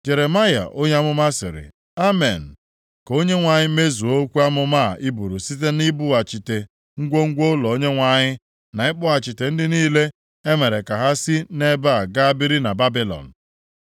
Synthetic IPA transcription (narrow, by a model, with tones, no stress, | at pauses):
d͡ʒe˨ɾe˨ma˦ja̰˨ʔo˦ɲe˦a˦mʊ˦ma˦sɪ̰˨ɾɪ̰˨ | a˦me˨n̩˨ | ko˦ɲe˦ŋʷa˨ɲɪ˦me˦zu˨o˦kʷu˦a˦mʊ˦ma˦˨i˦bu˨ɾu˨si˦t̬e˦ni˦bu˦a˨t͡ʃi˨te˨ | ŋ̩˦ɡʷo˦ŋ̩˦ɡʷo˦lɔ˨o˦ɲe˦ŋʷa˨ɲɪ˦ | na˨ɪ˦k͡pʊ˦a˨t͡ʃi˨te˨n̩˦dɪ˦niː˦le˦ | e˦me˨ɾe˨ka˨ɦa˦si˦ne˦ba˦a˨ɡa˦a˦bi˦ɾi˦na˨ba˦bi˦lɔ̰˨n̩˨